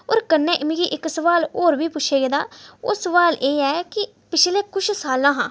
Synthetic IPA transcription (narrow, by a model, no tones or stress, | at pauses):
o̰ːɾkənːɛ̃ːʔɪmɡiːʔɪksəʋaːloːɾʋiːpʊt͡ʃʃʰeːɡed̪aːoːsəʋaːlʔeːɛːkɪ | pɪt͡ʃʰleːkʊt͡ʃʰsaːlãːɦãː